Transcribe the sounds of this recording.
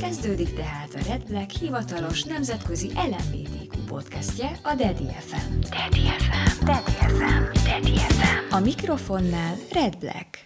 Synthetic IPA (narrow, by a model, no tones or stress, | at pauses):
kɛzd̪øːd̪ikt̪ɛɦaːt̪ɒrɛd̪̚blɛkhivɒt̪ɒlo̞ʃnɛmzɛt̪kø̞ziʔɛlɛnvḛːt̪eːkupo̞̰t̪kɛscɛɒd̪ɛd̪ḭɛ̰fɛnd̪̥ɛd̪iɛfɛd̪ɛd̪iɛfɛmd̪̥ɛd̪iɛfɛɒmikro̞fo̞nːaːlrɛd̪̚blɛ̰k